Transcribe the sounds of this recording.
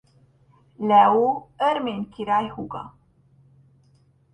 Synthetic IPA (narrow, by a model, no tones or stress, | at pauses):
læwuəɾmenkʰiɾaːjhuɡa̰